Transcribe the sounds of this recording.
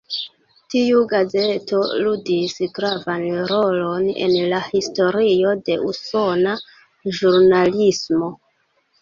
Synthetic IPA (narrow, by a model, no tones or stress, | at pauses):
tiuɡaze̞to̞ludisɡɾavanɾo̞lo̞ne̞̰nlahisto̞ɾio̞de̞ʔuso̞na | ʒuɾnalismo̞